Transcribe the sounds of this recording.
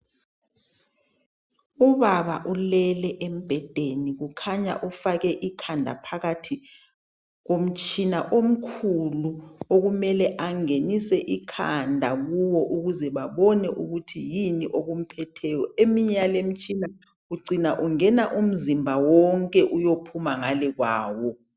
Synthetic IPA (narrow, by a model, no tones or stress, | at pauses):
uβaɓaʔulɛlɛʔem̩b̥ʱɛd̥ʱeniɣ̬ukʰaɲa̰ʔufakɛʔikʰandʱa̰pʰaɣatʰi | k̬om̩t͡ʃʰʼinaʔom̩kʰuluoɣumɛlɛʔaŋenisɛʔikʰa̰ndʱaɣuwɔʔuɣuzɛβaβɔnɛʔuɣutʰijiniʔoɣum̩pʰɛtʰɛːjɔemiɲalem̩t͡ʃʼina | ɣuǀinaʔuŋɛnaʔum̩zimbʱawɔŋkʼɛʔujopʰumaŋalɛɣwaːwɔ